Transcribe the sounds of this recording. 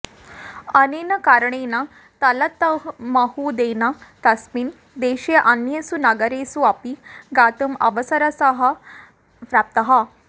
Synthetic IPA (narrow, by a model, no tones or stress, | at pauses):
ɐnenɐkaɾəɳena | t̪ɐlɐt̪ːmaɦud̪enat̪ɐsmiːn | d̪eɕeʔɐnjɐsunɐɡəɾesuapiɡat̪umɐ̰ʋəsəɾəsəɦɐ | pɾap̚t̪ɐɦa